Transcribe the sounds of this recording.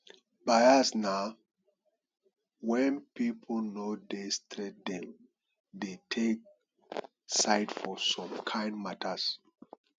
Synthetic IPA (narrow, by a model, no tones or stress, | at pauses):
bajasna | wɛ̃npipʰol̩nodestʰɹɛt̚d̪ɛ̃m | detʰek̚ | saɪtfɔsɔ̃mkʰãɪ̃ndmatʰəs